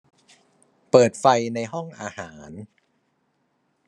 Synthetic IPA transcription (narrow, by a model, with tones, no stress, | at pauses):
pɤː˨˩t̪̚fa˧jna˧jɦɔ˥˩ŋʔaː˧haː˩˦n